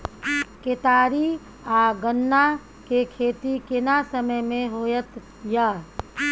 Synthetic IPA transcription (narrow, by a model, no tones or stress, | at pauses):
ket̪aːɾi | aːɡənːa | kekʰeːt̪ikɪnasəməjmẽɦoːjət̪ | jaː